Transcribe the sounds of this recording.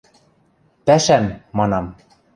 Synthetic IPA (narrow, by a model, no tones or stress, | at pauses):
pæʃæmːɑnɑm